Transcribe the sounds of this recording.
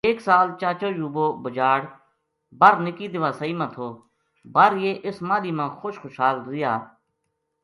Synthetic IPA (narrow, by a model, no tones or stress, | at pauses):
eːksaːlt͡ʃaːt͡ʃoːjuːboːbəd͡ʒaːɽ | bəɾnɪkiːd̪ɪʋaːsaiːmə̃ːt̪ʰoː | bəɾjeːʔɪsmãːd̪iːmãːxoʃxʊːʃɦaːld̪ʊjaː